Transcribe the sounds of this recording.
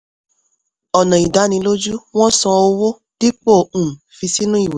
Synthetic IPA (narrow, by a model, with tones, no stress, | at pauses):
ɔ˨nã˨i˨da˨˦nĩ˧˦lo˦d͡ʒu˦w̃ɔ̃˦sɔ̃˧o˧wo˦ | d̥i˦k͡po˦˨ũ˨fi˧si˦nũ˦i˦˨we˨˦